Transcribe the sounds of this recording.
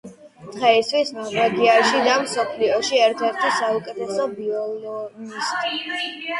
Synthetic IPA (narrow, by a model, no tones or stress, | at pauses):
t̪χɛist̪ʰwismaʁɛɡiaɾʃid̪amsɔpʰliɔʃiɛɾt̪ʰɛɾt̪ʰɛsaukʼɛt̪ʰɛsɔbiɔnɔnist̪ʼʰ